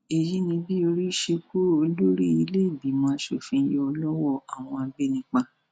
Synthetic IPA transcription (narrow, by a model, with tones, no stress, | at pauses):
e˨ji˦nĩ˧bi˦o˧ɾi˦ʃe˧ko˦o˧˦lo˦ɾi˦i˧le˦i˦˨bi˨mãː˨˦ʃo̰˦˨fĩ˧˦jɔ˧˦ɔ˧lɔ˦wɔ˦˨a˨w̃ɔ̃˧a˧ɡ͡be˦nĩ˧˦k͡pa˧